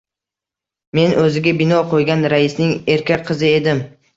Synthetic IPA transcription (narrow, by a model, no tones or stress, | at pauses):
me̞nʔɵzɪɡʲabɪnɒqʰojɡʲanɾaɪsnɪŋe̞ɾkʲak̚ʲqʰɨzɪe̞d̪ɪm